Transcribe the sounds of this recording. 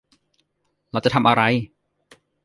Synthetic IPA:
lɛː˧˩wt͡ɕa˨˩t̪ʰa˧mʔa˧ɾa˧j

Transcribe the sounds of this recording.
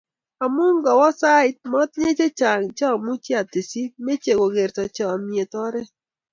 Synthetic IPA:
a˨mu˦ŋɡɔ˨wɔ˦sa˦ɪ˦t̚mɔ˦t̚ɲe˦t͡ʃe˦t͡ʃa˨ŋt͡ʃɔ˦˨mu˦t͡ʃe˦a˨te˨si˦me˦t͡ʃe˨ɡo˨ɡe˨ɾtɔ˨t͡ʃɔ˨a˨mje˨tɔ˦ɾɛ˦

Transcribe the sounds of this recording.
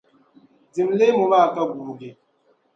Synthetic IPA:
d͡zi˨mle˦mu˨ma˦˨ka˦ɡu˨ɾɡe˨

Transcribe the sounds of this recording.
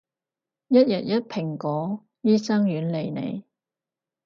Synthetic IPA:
jɐ˥t̚jɐ˨t̚jɐ˥t̚pʰɪ˨˩ŋkɔː˨˥ | jiː˥sɐ˥ŋjyː˨˥nle˨˧jnḛ˨˧j

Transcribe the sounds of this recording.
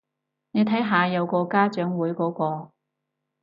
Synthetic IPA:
ne˨˧jt̪ʰɐ˨˥jɦaː˨˧jɐ˨˧wkɔː˧kaː˥t͡ʃœː˨˥ŋwuː˨˥jkɔː˨˥kɔː˧

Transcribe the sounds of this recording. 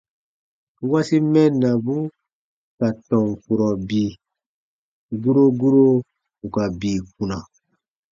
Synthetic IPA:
wa˦si˦mɛ̃˦nːa˨bu˦ | ka˨tɔ̃˨ɱ˨fu˨ɾɔ˨bi˨ | ɡu˦ɾo˦ɡu˦ɾo˦ | ku˨ka˨biː˨k̚ũ˨na˨

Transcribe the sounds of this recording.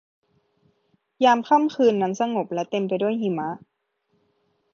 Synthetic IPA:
jaː˧mkʰa˥˨mkʰɯː˧nːa˧˥nsa˧ŋo˨˩p̚lɛ˦˥t̪e˧mpa˧jdu˥˩əjhi˧˩ma˦˥ʔ

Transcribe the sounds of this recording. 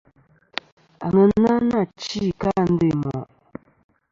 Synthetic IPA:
a˨ŋə˦na˦na˦˨t͡ʃi˦˨ka˦˨n̩˦de˦˨mɔ˨ʔ

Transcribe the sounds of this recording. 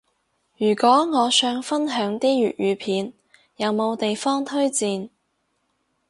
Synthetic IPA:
jyː˨˩kʷɔː˨˥ŋɔː˨˧sœː˧ŋfɐ˥nɦœː˨˥ŋt̪iː˥jyː˨t̚jyː˨˧pʰiː˨˧n | jɐ˨˧wmo˨˧wt̪e˨jfɔː˥ŋt̪ʰɵ˥ɥt͡siː˧n

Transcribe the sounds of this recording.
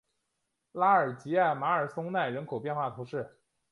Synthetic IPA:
la˥ə˞˨˩t͡ɕi˧˥a˥˩ɪma˧˥ə˞˨˩sʊ˥ŋna˥˩ɪɻə˧˥nkʰo˨˩ʊpjɛ˥˧nxwa˥˩t̪ʰu˧˥ʂɻ̩˥˩

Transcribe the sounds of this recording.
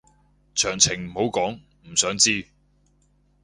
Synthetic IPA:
t͡ʃʰœː˨˩ŋt͡sʰɪ˨˩ŋm̩˨˩ho˨˥wkɔː˨˥ŋ | m̩˨˩sœː˨˥ŋt͡siː˥

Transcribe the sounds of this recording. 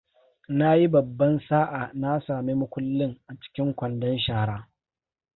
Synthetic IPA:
na˦ji˦bɐ˨bːɐ˦nsaː˦ʔaː˨na˦saː˨mi˦mʊ˦kʷʊ˦lːɪ˦ŋʔa˨t͡ʃɪ̥˦kʲɪ˦ŋkʷɐ˨ndɐ˦nʃaː˦˨ɽaː˦

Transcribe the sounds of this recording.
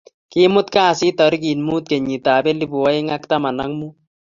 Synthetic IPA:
kɪ˦mʊ˦tkaː˦˨sɪ˦tɔ˨ɾik̬i˨nmu˦t̚ke˨ɲi˨taː˨bɛ˦li˦bu˨wɔ˦ɪ˦ŋa˦kta˦ma˨na˦ŋmu˦

